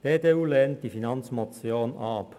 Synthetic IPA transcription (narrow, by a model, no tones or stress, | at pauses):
d̥eːteːuːleːnt̚d̥iːfinɑnt͡smot͡sjoːnɑːp